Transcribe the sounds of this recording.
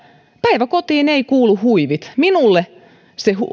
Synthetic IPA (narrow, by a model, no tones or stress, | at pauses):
pæiʋækot̪iːneikuːluhuiʋit̪minulːe | sehṵ